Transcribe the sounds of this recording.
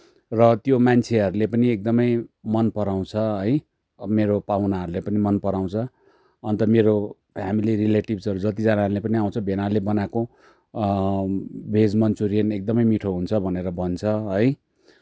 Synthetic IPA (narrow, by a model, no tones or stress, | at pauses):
rʌt̪jomant͡sʰeɦʌɾulepʌniek̚d̪ʌmʌjmʌnpʌɾaw̃t͡sʰʌʌj | meɾopawnaɦʌɾulepʌnimʌnpʌɾaw̃t͡sʰʌ | ʌnt̪ʌmeɾopʰjamiliɾileʈibsʌɾud͡zʌt̪id͡zanaɦɾulepʌniaw̃t͡sʰʌbʱenalebʌnako | bʱed͡zmʌnt͡suɾijʌnek̚d̪ʌmʌjmiʈʰoɦunt͡sʰʌbʱʌneɾʌbʱʌnt͡sʰʌɦʌj